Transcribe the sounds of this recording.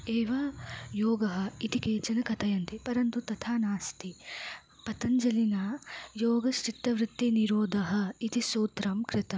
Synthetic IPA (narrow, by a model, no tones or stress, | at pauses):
eːʋɐjoːɡɐɦɐ̆it̪ikeːt͡ʃɐnɐkɐt̪ʰɐjɐnt̪ipɐɾɐnt̪ut̪ɐt̪ʰaːnaːst̪i | pɐt̪ɐɲd͡ʒɐlinɐjoːɡɐʃʈit̪ːɐʋɾɪt̪ːiniɾoːd̪ʱɐɦɐ̆it̪isoːt̪ɾɐmkɾɪt̪ɐm